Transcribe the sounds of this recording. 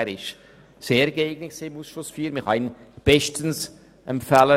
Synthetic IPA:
ɾɪʃ | seːɾɡeɪɡnɪksiɪmuːsʃlʊsfiːɾmɪhɑɪn | b̥ɛʃtəns | ɛmpfælə

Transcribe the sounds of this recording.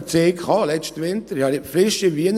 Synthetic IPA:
t͡seːkʰχɑːlɛʃtʋɪntəɾhɑnɪpfɾɪʃiʋiən

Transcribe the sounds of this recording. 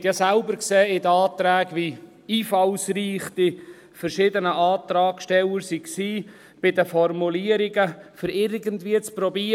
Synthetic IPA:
t̪jɑsælbəɾkseːɪd̪əɑːt̪ɾæːɡʋi | iːfɑlsriːχt̪i | fərʃɪd̪ənəʔɑːt̪ɾɑːɡʃtɛləɾsiksiː | b̥ɪdəfɔrmuliəɾiɡəfʏɾɪɾɡəntviːət͡sprɔbi

